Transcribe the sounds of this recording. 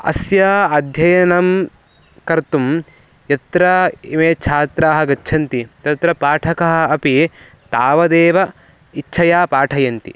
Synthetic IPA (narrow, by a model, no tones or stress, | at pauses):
ɐ̰sjaːɐd̪ʱjɐjɐnɐm | kɐɾt̪um | jɐt̪ɾɐimeːt͡ʃʰaːt̪ɾaːɦɐɡɐːt͡ʃʰɐnt̪it̪ɐt̪ɾɐpaːʈʰɐkɐɦɐ̆ɐpi | t̪aːʋɐd̪eːʋɐ | itːt͡ʃʰɐjaːpaːʈʰɐjɐnt̪ḭ